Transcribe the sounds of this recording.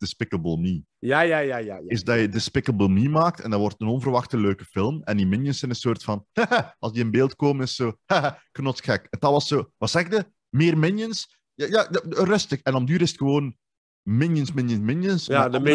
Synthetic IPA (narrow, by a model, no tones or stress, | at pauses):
d̥ɪspɪkəbəlˠmi | jajajajɪzdɑjədɪspɪkəbəlˠmimaːk̚tɛ̰ndɑʋɔrtənɔnvərʋɑxtəløːkəfɪlˠmɛndimɪnjənsɛnənsoːrtfɑnhaʔɑlˠsdiənbeːlˠtkoːmənɪssoːhaknɔtxɛkəntɑʋɑsːoːʋɑtsɛɣɪɡ̚də | mɪːrmɪnjəns | jajaːdrɵstəkɛnɔmdyːɾɪsətxəʋoːn | mɪnjənsmɪnjənmɪnjənsaə